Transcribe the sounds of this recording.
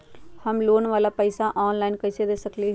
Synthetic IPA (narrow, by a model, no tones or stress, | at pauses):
həmloːnʋaːlapəɪsaʔɔːnlaːɪnkɐɪsed̪eːsəkli